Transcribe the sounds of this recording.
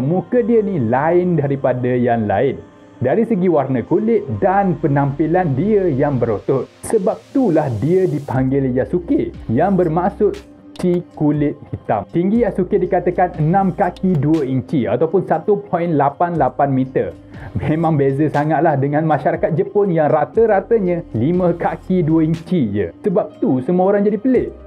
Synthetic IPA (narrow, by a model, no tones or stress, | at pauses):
mũkədiənilaɪndaɾipadajaŋla̰ɪn | daɾisəɡiwarnəkulɪt̪̚danpənãmpilandiəjaŋbəɾot̪ʊt̪̚səbap̚t̪ulahdiədipaŋɡɪljasukɪʔjaŋbərmasʊt̪̚ | t͡ʃikulɪt̪̚hit̪a̰mt̪iŋɡijasukɪt̪̚dikat̪əkanənãmkakiduəiɲt͡ʃia̰t̪awpʊnsat̪upʰɔinlapanlapanmit̪ər | mẽmãŋbezəsaŋat̪̚lahdəŋãnmãʃaɾakat̪̚d͡ʒəpʊnjaŋrat̪əɾat̪əɲə̃limə̃kakiduəiɲt͡ʃiɲə̰səbap̚t̪usəmuə̃oɾaŋd͡ʒadipəlɪʔ